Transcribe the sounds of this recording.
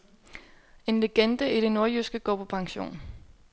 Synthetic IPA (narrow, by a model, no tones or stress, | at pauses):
e̝nle̝ɡ̥end̥əʔiɾ̥e̝no̝ɐjysɡ̥əɡ̥ɒ̰ːpʰɒ̽pʰɑ̈ŋɕo̝̰ːn